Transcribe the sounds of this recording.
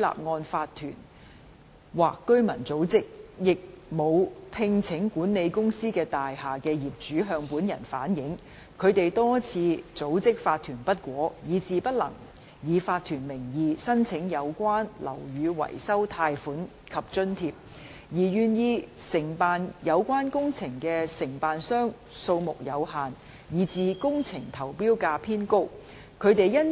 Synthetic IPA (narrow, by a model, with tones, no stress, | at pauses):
la̰ː˨p̚ŋɔː˧nfaː˧t̪ʰy̰ː˨˩n | waː˨kːɵ˥ɥmɐ˨˩nt͡so˨˥wt͡sɪ˥k̚jɪ˨k̚mo˨˧wpʰɪ˧˥ŋt͡sʰɪ˨˥ŋkuː˨˥nne˨˧jkʊ˥ŋsiː˥kɛː˧t̪aː˨jhaː˨˩kɛː˧jiː˨p̚t͡ʃyː˨˥ɦœː˧ŋpuː˨˥njɐ̰˨˩nfaː˨˥njɪ˨˥ŋ | kʰɵ˨˧ɥt̪e˨jt̪ɔː˥t͡sʰiː˨˧t͡so˨˥wt͡sɪ˥k̚faː˧t̪ʰyː˨˩npɐ˥t̚kʷɔː˨˥jiː˨˧t͡siː˨˧pɐ˥t̚lɐ̰˨˩ŋ | jiː˨faː˧t̪ʰyː˨˩nmɪ˨˩ŋjiː˨˧sɐ˥nt͡sʰɪ˨˥ŋjɐ˨˧wkʷaː˥nlɐ̰˨˩wjyː˨˧wɐ̰˨˩jsɐ˥wt̪ʰaː˧jfuː˨˥n | kʰɐ˨p̚t͡ʃɵ˥nt̪ʰiː˧p̚ | jiː˨˩jyː˨˩njiː˧sɪ˨˩ŋpaː˨njɐ˨˧wkʷaː˥nkʊ˥ŋt͡sʰɪ˨˩ŋkɛː˧sɪ˨˩ŋpaː˨nsœː˥ŋ | so˧wmʊ˨k̚jɐ˨˧wɦaː˨n | jiː˨˧t͡siː˨˧kʊ˥ŋt͡sʰɪ˨˩ŋt̪ʰɐ˨˩wpiː˥wkaː˧pʰiː˥nko˥w | kʰɵ˨˧ɥt̪e˨jjɐ˥n